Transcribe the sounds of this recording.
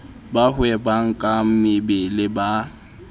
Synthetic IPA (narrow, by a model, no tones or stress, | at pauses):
bahʊɛbaŋ̩kʼam̩mɪbɪlɪba